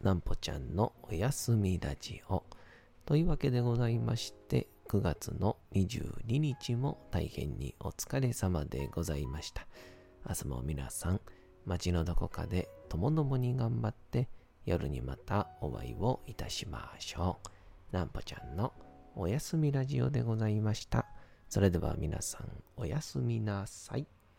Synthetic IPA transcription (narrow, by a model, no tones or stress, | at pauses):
nãmpo̞t͡ɕã̰nːo̞ojasɨmʲiɾa̰d͡ʑḭo | t̪o̞iɯːβake̞d̪e̞ɡo̞zaimaɕi̥t̪e̞ | kɯ̟ɡat͡sɨno̞ɲ̟iʑɨ̰ːɲ̟iɲ̟it͡ɕimo̞t̪aihẽ̞̰ɲ̟ːḭo̞t͡sɨ̥kaɾe̞samad̪e̞̰ɡo̞zaimaɕi̥t̪ḁ | asɨmo̰mʲina̰sãŋ | mat͡ɕino̞d̪o̞ko̞ka̰d̪e̞t̪o̞mo̞d̪o̞mo̞ɲ̟iɡãmbat̪ːe̞ | joɾɯ̟ɲ̟imat̪aoβa̰iβo̞it̪aɕimaɕo̞ːnãmpo̥t͡ɕã̰nːo̞ːjasɨmʲiɾaʑio̞̰d̪e̞ɡo̞zaimaɕi̥t̪aso̞ɾe̞d̪e̞βa̰mʲina̰sã̰ŋo̞jasɨmʲinasai